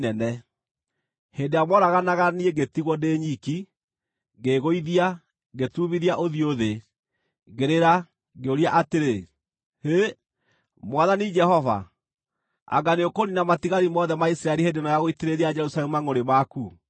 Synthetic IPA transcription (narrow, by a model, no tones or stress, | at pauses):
nɛnɛ | hendeamɔɾaɣanaɣanieɡetiɣwɔndeɲiki | ɡeɣoiðia | ɡetuβiðiaʔoðioðe | ɣeɾeɾa | ɣeoɾiaʔateɾe | he | mwaðanid͡ʒɛhɔva̰ | a̰ɡaneokoninamatiɣaɾimɔðɛmaisɾaɛɾihedenajaɣoiteɾeɾiad͡ʒɛɾusalɛmumaŋoɾemaku